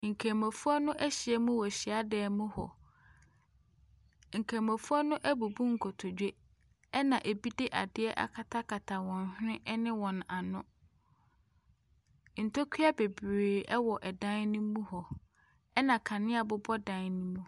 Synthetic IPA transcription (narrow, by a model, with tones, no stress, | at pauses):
ŋ̩˨kʰe˨ma˨fu˦ɔ˦nʊ̃˦ʔɛ˦ɕɪ˨ɛ˦mũ˦wɔ˨ɕi˨a˦dɛː˨mũ˦hɔ̰˨ | ŋ̩˨kʰɛ̃˨ma˨fu˦ɔ˦nʊ̃˦ʔæ˦bu˨bũ˦ŋ̩˨kʰɔ˨tʰɔ˨d͡ʑᶣe˦ | ɛ˦nã˨ʔe˨bi˦dɪ˦ʔa˨dɪ˦ɛ˦ʔa̰˨kʰa˨tʰa˦kʰa˨tʰa˨wɔ̃˨n˨hᶣɪ̃˦ʔnɪ̃˦wɔ̃˨n˨a˨nʊ̃˦ | n̩˨tʰɔ˦kʰi˦a˦be˨bɾeː˨ɛ˦wɔ˨ʔɛ˨dã˦nnĩ˦mũ˦hɔ˨ | ɛ˦nã˨kʰã˨nɪ̃˦a˨bʊ˦bɔ˦dã˨nnĩ˦mũ˦